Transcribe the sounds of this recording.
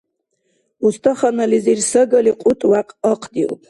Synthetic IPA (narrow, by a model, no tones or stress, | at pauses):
ust̪ʼɔχanalizirsəɡəliqʼut̪ʼwaqʼɔqʰʼd̪iṵpʰ